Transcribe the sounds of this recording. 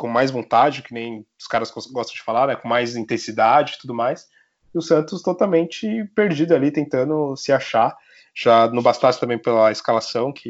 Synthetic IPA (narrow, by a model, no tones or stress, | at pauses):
kõmajzvõnt̪ad͡ʒɪʊkɪnẽj̃ʊskaɾɐsɔsɡɔst̪ɐ̃w̃d͡ʒɪfalaɾnɛkõmajzĩnt̪ẽsid̪ad͡ʒɪɪt̪ud̪ʊmajs | ʊsɐ̃nt̪ʊst̪ot̪awmẽnt͡ʃɪpeɾd͡ʒid̪ʊalit̪ẽnt̪ɐ̃d̪ʊsɪaʃa | ʒ̥anɐ̃bast̪asɪ̥t̪ɐ̃mbẽj̃pelɐeskalasɐ̃w̃kʰɪ